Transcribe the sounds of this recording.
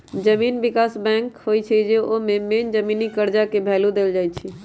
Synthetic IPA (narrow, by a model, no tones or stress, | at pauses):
d͡ʒəmiːnbikasbɛ̃ŋkhojt͡ʃʰɛd͡ʒeomemend͡ʒəminikəɾd͡ʒakebʱɛːlud̪eld͡ʒaːjt͡ʃʰi